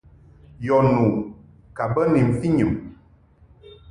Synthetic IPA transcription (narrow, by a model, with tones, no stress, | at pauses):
jɔ˨nu˨ | ka˨bə˦ni˨m̩˨fi˦ɲɨ˨m